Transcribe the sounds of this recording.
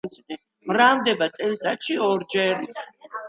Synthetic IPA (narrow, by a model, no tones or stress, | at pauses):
sɛ | mɾamd̪ɛbat̪sʼɛlit̪sʼat̪ʃiɔɾd͡ʒɛɾ